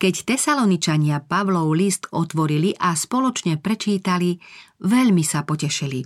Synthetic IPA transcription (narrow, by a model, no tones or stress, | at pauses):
kɛct̪ɛsalɔnit͡ʃaɲɪapaʋlɔʊlist̪ɔt̪ʋɔɾiliʔaspɔlɔt͡ʃɲɛpɾɛt͡ʃiːt̪aliʋɛʎmisapɔcɛʃili